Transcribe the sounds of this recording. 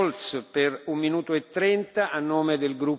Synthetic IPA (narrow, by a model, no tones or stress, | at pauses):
lsperumːinuːt̪oet̪ːɾɛnt̪aʔanːoːmed̪elɡɾup